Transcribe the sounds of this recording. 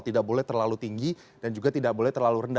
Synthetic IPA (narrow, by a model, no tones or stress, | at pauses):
t̪idak̚bolɛht̪ərlalut̪iŋɡi | d̥and͡ʒuɡat̪idak̚bolɛht̪ərlaluɾənda